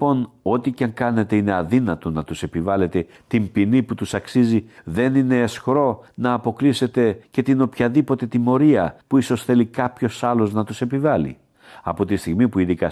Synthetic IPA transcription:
po̞no̞t̪icɐŋkɐne̞t̪e̞ine̞ɐðinɐt̪o̞nɐt̪use̞pivɐle̞t̪e̞ | t̪impiniput̪usɐksiziðe̞nine̞ːsxɾo̞nɐːpo̞klise̞t̪e̞ce̞t̪ino̞pçɐðipo̞t̪e̞t̪imo̞ɾiɐpuiso̞sθe̞likɐpço̞sɐlo̞znɐt̪use̞pivɐlḭ | ɐ̰po̞t̪ist̪iɣmipuiðikɐ

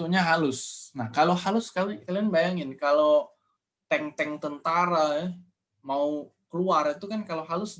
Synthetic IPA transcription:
uɲaɦalʊsnahkalohalʊskawikalianbajaŋɪnkalo | t̪ɛŋt̪ɛŋt̪ənt̪aɾaja | maukəluarit̪ukankaloɦalʊs

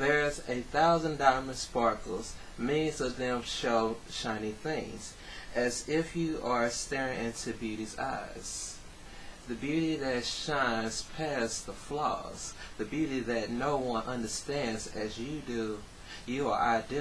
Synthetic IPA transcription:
ðə˞zɨθaʊzə̃ndãɪmə̃nspɑɹkl̩ˠz̥ | mɛzʌvðɨ̃mʃoʊ | ʃãɪ̃niθɪ̃ŋz̥ | ʔɨzɪfjɨʔə˞stɛɹɪ̃ŋɪ̃ntʰʉbjʉɾiza̰ɪz̥ | ðɨbjʉɾiðɨtʃãɪ̃nz̥pʰæsðəflɔ̰z̥ðɨbjʉɾiðɨtⁿnoʊwʌ̃nʔʌ̃ndə˞stæ̃ndzɨzjɨdʉ | jɨə̰˞a̰ɪdɛ

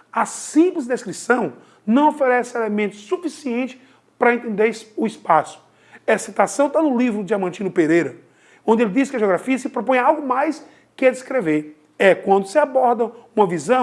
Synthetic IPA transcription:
ɐsĩplɪzɪd̪eskɾisɐ̃w̃ | nɐ̃w̃ofeɾɛsɪelemẽnt̪ʊ̥sufisiẽnt͡ʃɪ̥ | pɾɐẽnt̪ẽnd̪eɾsʊispasʊ̥ | ɛsit̪asɐ̃w̃t̪anʊlivɾʊd͡ʒɪamɐ̃nt͡ʃĩnʊpeɾejɾɐ | õnd͡ʒ̪ɪelɪd͡ʒ̪iskɪɐʒeoɡɾafiɐsɪpɾopõj̃awɡʊmajs | kɪɛd͡ʒ̪iskɾeveɾ | ɛkwɐ̃nd̪ʊsɪabɔɾd̪ɐũmɐvizɐ̃

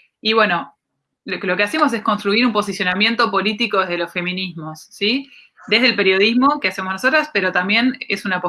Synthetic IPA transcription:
iβwe̞no̞ | lolo̞kease̞mo̞s̬e̞sko̞nst̪ɾuiɾumpo̞s̬isjo̞namje̞nt̪o̞po̞lit̪ikoðeðelo̞sfe̞mĩnizmo̞sːi | d̪e̞ɦðelpe̞ɾjoð̞izmo̞keasemonos̬o̞t̪̬ɾaspeɾo̞t̪ambje̞nesunapo

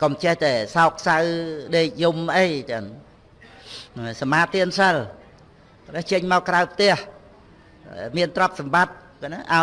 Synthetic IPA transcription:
komt͡ɕɛht̪aɛsaɔk̚sawɗeːc̚jumʔəjt͡ɕən | samaːt̪iənsəl | knɛht͡ɕəɲmaɔkrawpʰt̪ɛ̆əh | miənt̪rŏp̚sɑmɓat̪̚ | kanaʔa

